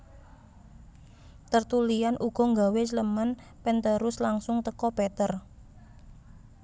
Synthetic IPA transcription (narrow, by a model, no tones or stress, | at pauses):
t̪ərt̪ulijanʔuɡ̥ɔ̤ŋɡawesləmən | pɛnt̪əɾʊslaŋsʊŋt̪əkɔpɛt̪ər